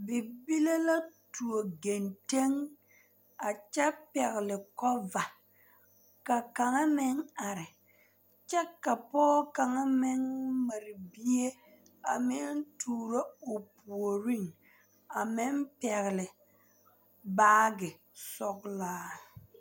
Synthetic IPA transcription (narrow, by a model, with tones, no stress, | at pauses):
bɪ˨bi˦le˦la˦tu˨o˨ɡe˨nte˦ŋ | a˨t͡ʃɛ˦pɛ˨ɣɪ˨lɪ˨kɔ˦va˨ | ka˨ka˨ŋa˦mɪ˦ŋa˨ɾɪ˨ | t͡ʃɛ˦ka˨pɔː˦ka˨ŋa˦mɪ˦ŋma˨ɾɪ˨bi˦e˦ | a˨mɪ˦ntʰuː˨ɾo˦o˨pu˨o˨ɾi˦˨ŋ | a˨mɪ˦mpɛ˨ɣɪ˨lɪ˨ | baː˦ɡɪ˨ | sɔ˨ɡlaː˦